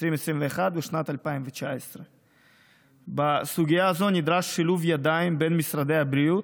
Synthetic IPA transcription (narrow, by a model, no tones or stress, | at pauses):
ɾimesɾimveːχad̪beʃnat̪alpaimvet͡ʃaesɾe | basuɡʲijaːzo̞nid̪ɾaʃːiluvjad̪aimbenmisɾad̪ejabɾijut̪